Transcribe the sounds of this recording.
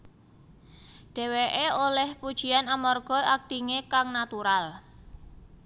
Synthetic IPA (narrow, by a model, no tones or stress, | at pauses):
ɖ̥ɛ̤weʔeolɛhpud̥ʒ̥i̤anamɔrɡ̥ɔ̤ʔak̚t̪iŋekaŋnat̪uɾal